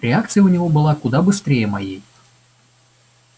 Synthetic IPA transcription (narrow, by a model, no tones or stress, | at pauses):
ɾʲɪak̚t̪sɨjəʊnʲɪvobɨlˠakʊd̪abɨst̪ɾʲejəmajej